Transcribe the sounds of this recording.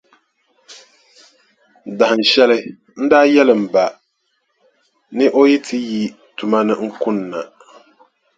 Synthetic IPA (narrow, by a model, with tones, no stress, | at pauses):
da˨hɨ˨n̩˨ʃɛ˦lɨ˦ | n̩˦daː˦jɛ˦lɨ˨m̩˨ba˨ | nɨ˦ʔo˦ji˦tʰɨ˦ji˦ | tu˨ma˦nɨ˦ŋ̩˦kʊ˦nːa˨